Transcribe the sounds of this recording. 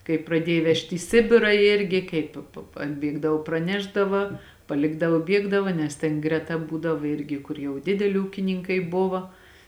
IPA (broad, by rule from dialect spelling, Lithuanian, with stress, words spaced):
kɐɪ prɐˈdʲiɛj ˈʋʲɛʃʲtʲ iː ˈsʲɪbʲɪrɐ ˈɪrʲɡʲɪ ˈkɐɪp p p ɐdʲˈbʲiɛɡdɐw prɐˈnʲæːʒdɐʋɐ pɐˈlʲɪɡdɐʋoː ˈbʲiɛɡdɐʋɐ nʲɛs ˈtʲɛn ɡrʲɛˈtɐ ˈbuːdɐw ˈɪrʲɡʲɪ ˈkʊr jɛʊ ˈdʲɪdʲɛlʲɪ ˈuːkʲɪnʲɪŋkɐɪ ˈbʊʋoː